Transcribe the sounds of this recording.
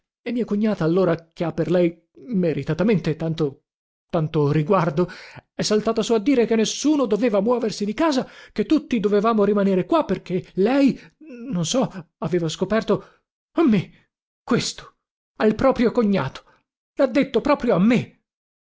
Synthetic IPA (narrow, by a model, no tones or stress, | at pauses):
emːiːokoɲːaːt̪aːlːoːɾakeapːerlɛj | meɾit̪at̪ament̪et̪ant̪o | t̪ant̪oɾiɡward̪oɛsːalt̪aːt̪asuːad̪ːiːɾekenːesːuːnod̪oveːvamwɔːversid̪ikaːzaket̪ːut̪ːid̪ovevaːmoɾimaneːɾekwapːerk̟elɛjnonsɔaveːvaskopɛrt̪o | amːe | kwest̪o̥ | alpɾɔːpɾjokoɲːa̰ːt̪o̥ | lad̪ːet̪ːopɾɔːpɾjoamːe